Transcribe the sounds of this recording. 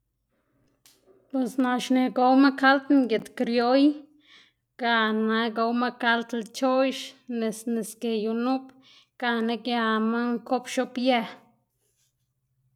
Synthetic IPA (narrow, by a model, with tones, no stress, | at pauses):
pwe˨sna˧ʃne˧ɡo˧˦wma˦ka˦lt̪ŋɡe˨t̪kɾjo˦j | ɡ̥a˧na˧ɡo˧wma˦ka˦lt̪lt͡ʃo˦jʃne˨sne˨ske˨ju˧nu˦p | ɡ̥a˧na˧ɡja˧ma˦ŋko˦pʃo˦pja˧